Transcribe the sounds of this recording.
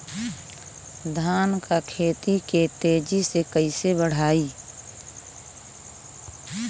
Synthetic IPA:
d̪ʱaːnkakʰeːt̪it̪et̪eːd͡ʒisekəisebəɽ̤aːiː

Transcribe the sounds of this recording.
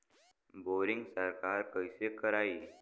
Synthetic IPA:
boɾiŋɡsəɾkaɾkəjsekəɾaiː

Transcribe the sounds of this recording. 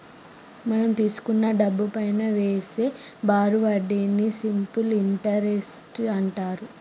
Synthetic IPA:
mɐnɐmt̪iːsu̥kunːɐɖɐbːupɐjnɐʋeːseːbaːɾuʋɐɖinːisimpuliɳʈɐɾesʈɐɳʈaːɾu

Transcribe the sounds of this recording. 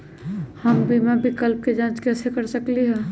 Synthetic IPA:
həmbimabɪkəlp̚ked͡ʒãːt͡ʃkɛːsekəɾsəkliɦɛː

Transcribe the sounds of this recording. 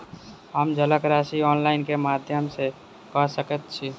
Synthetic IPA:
ɦəmd͡ʒʱələkɾasiɔːnlaɪnkemad̪ʱjəmse | kɔsəkət̪̚t͡ʃʰi

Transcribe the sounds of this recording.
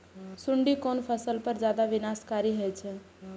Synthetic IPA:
suɳɖikonpʰəsəlpəɾd͡ʒjad̪aʋinaskaɾiɦəjt͡ʃʰɛ̃

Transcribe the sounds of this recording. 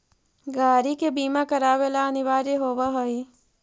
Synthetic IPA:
ɡaːɾikebiːmakɐɾaːʋelaɐnɪʋaːɾeɦoːʋaɦoi

